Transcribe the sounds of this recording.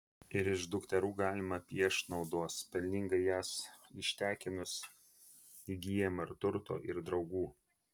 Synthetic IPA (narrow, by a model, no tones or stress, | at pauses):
ɪɾɪʒd̪ʊkt̪ʲɛɾuːɡɑːlʲɪmɐpʲiɛʃnɒʊd̪oːspʲɛlʲnʲɪŋɡɐɪjæːsɪʃʲt̪ʲæːkʲɪnʊs | iɡʲiɛmɐɪɾt̪ʊɾt̪o̰ːʔɪɾd̪ɾɒʊɡuː